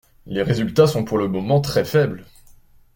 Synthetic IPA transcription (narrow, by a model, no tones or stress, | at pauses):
leʁezylt̪asɔ̃puʁləmɔmɑ̃t̪χɛfɛbl